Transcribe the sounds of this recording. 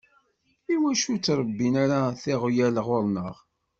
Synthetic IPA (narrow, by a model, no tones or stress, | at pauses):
iwæʃut͡sːɾˤəbːinaɾaθɪʁjælʁʊɾˤnəʁ